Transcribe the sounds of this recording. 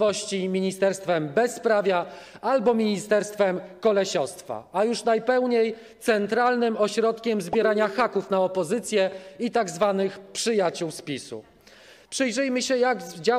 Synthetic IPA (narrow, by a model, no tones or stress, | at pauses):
ɔɕt͡ɕimʲiɲist̪ɛɾst̪fɛmbɛspɾavʲja | albɔmʲiɲist̪ɛɾst̪fɛmkɔlɛɕɔst̪fa̰ajuʂnajpɛwɲej | t̪sɛnt̪ɾalnɘmɔɕɾɔt̪kʲɛmzbʲjɛɾaɲaxakufnaɔpɔzɘt̪sʲjɛit̪aɡzvanɘxpʂɘjat͡ɕuwspʲisṵ | pʂɘjʐɛjmɘɕɛjaɡd͡ʑa